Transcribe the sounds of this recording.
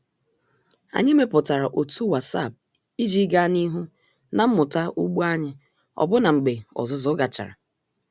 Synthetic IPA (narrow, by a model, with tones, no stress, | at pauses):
a̰˨ɲɪ˦me˦pʊ˨ta˨ɾa˨ʔo˨tu˦wa˨sa̰˦˨b̚ | i˦d͡ʒi˦ɡa˦ni˦ɦu˦ | na˨m̩˦mʊ˨ta˦u˦ɡ͡bu˦a˦ɲɪ˦ | ɔ̰˨bʊ˦na˨ŋ͡m̩˨ɡ͡be˨ɔ̰˨zʊ˨zʊ˦ɡa˨t͡ʃa̰˨ɾa̰˨